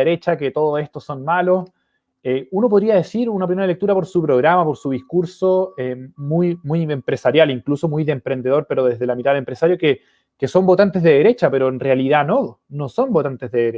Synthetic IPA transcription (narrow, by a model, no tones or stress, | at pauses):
eɾet͡ʃaket̪oðoe̞st̪oso̞nmalo̞s | eunopoðɾiað̞e̞siɾunap̬ɾimeɾalek̚t̪uɾapo̞ɾsupɾo̞ɣɾamapo̞ɾsuðihkuɾsoemujmujempɾe̞saɾjaliŋkluso̞mujðeːmpɾe̞nd̪e̞ð̞o̞ɾpe̞ɾoðezðelamiɾaðelempɾesaɾjo̞ke | keso̞mbo̞t̪ant̪ezðeðeɾe̞t͡ʃape̞ɾoenrealiðanonoso̞mbo̞t̪ant̪e̞zðeðeɾe